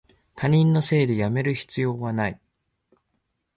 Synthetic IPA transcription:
t̪aɲ̟ĩnːo̞se̞ːd̪e̞jame̞ɾɯ̟çi̥t͡sɨjo̞ːβanai

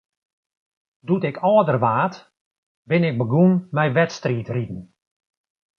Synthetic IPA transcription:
dutɪkʰɔːdərʋaːt | bɪnɪk̚bəɡunmɛjʋɛtstriːtritn̩

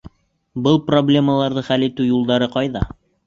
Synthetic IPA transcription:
bɤlˠproblʲe̞məlˠɑɾðɤχælit̪ʉjulˠd̪ɑɾɤqɑjðɑ

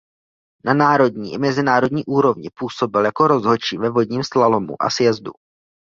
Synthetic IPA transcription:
nanaːɾo̞dɲiːʔɪmɛzɪnaːɾo̞dɲiːʔuːɾo̞vɲɪpuːso̞bɪljako̞ɾo̞zɦot͡ʃiːvɛvo̞dɲiːmslalo̞mṵʔa̰sjɛzdṵ

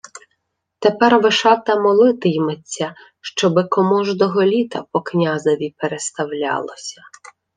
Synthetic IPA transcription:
t̪epɛrʋɪʃɑt̪ɐmɔlˠɪt̪ɪjmet͡sʲːɐ | ʃt͡ʃɔbɪkɔmɔʒd̪ɔɦɔlʲit̪ɐpɔknʲazɐʋʲipeɾest̪ɐwlʲɑ̰lˠɔsʲɐ̥

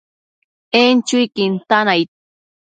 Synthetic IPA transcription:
ent͡ʃʊjkɪnt̪anajt̪̚

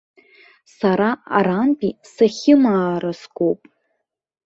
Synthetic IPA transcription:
saɾaa̰ɾanpʼisaχʲɪmaːɾasɡʷowpʼ

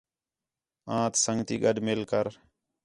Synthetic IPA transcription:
ãːt̪səŋɡt̪iːɡəɗmɪlkəɾ

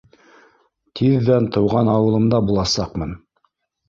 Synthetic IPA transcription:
t̪ʰiðːænt̪ɤ̆wʁɑnɑwɤ̆lˠɤ̆md̪ɑbulˠɑsɑqmɤn

